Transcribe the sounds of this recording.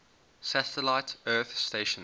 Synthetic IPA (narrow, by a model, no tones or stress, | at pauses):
sætəlaɪtɜːˑθsteɪʃə̃n